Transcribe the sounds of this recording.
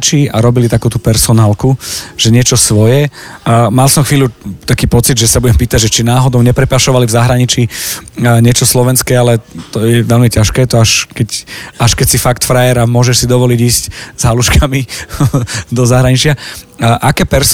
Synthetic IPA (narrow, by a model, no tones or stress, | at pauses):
t͡ʃiːaɾɔbilit̪akuːt̪upɛɾsɔnaːlkuʒɛɲɪɛt͡ʃɔsʋɔjɛ | malsɔmxʋiːlʎut̪akiːpɔt͡sid̪ʒɛsabuɟɛmpiːt̪aɟʒɛt͡ʃinaːɦɔd̪ɔʊɲɛpɾɛpaʃɔʋalivzaɦɾaɲit͡ʃiː | ɲɪɛt͡ʃɔslɔʋɛnskɛːalɛt̪ɔjɛʋɛlmicaʃkɛːt̪ɔaʃkɛcaʃkɛcsifakt̪fɾajɛɾamʊɔʒɛʃsid̪ɔʋɔliɟiːsczɦaluʃkʰami | d̪ɔzaɦɾaɲit͡ʃɪaʔakɛːpɛɾs